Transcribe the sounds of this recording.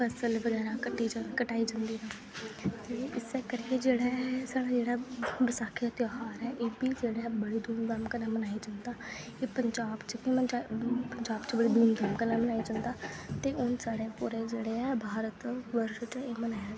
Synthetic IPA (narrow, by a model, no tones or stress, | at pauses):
pɛsəlʋəɡɛːɾakəʈːiːd͡ʒkəʈaːid͡ʒãːnd̪iːnaː | t̪eːɪsekəɾkeːd͡ʒeːɽɛːsaːɽaːd͡ʒeːɽaːbɪsaːkʰijaːt̪joːɦaːɾɛːʔeːbiːd͡ʒeːɽɛːbəɽiːd̪uːnɡ̪aːmkənɛːmənaːiːd͡ʒand̪aː | eːpəɲd͡ʒaːbt͡ʃbiməd͡ʒapəɲd͡ʒaːbt͡ʃbəɽiːd̪uːnɡ̪aːmkənɛːmənaːid͡ʒãnd̪aːt̪eːʔʊnsaːɽeːpʊɾeːd͡ʒeːɽeːɛːbʱaːɾət̪ʋəɾʃt͡ʃeːmənaːjaː